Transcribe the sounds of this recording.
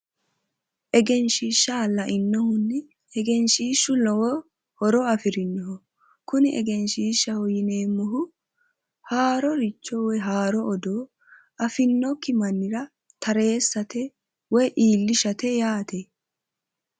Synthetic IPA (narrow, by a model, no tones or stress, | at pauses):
ʔɛɡɛnʃiːʃːalːɐʔɪnːɔhʊnːɪ | ɛɡɛnʃiːʃːʊlɔwɔ | hɔɾɔɐfɪɾɪnːɔɦɔ | kʊnɪʔɛ̰ɡɛnʃiːʃːɐhɔjɪne̞ːmːɔɦʊ | haːɾɔɾɪt͡ʃːɔwɔjɦaːɾɔɔd̪oː | ʔɐfɪnːɔkːɪmɐnːɪɾɐ | t̪ɐɾe̞ːsːɐt̪ɛ | wɔjʔiːlːɪʃɐt̪ɛjaːt̪e